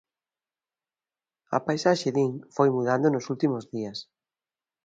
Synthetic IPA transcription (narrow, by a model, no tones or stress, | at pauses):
ɐ̰pajsaʃeðiŋfojmuðand̪onosult̪imozðiɐs